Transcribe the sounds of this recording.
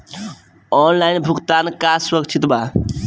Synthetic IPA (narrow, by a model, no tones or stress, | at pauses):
ɔnlajnbʱukt̪aːnkasɾəɡt͡ʃʰit̪ba